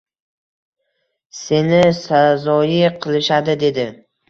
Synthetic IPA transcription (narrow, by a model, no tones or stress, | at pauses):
se̞nɪsazɒjɪqʰɨlˠɪʃad̪ɪd̪e̞d̪ɪ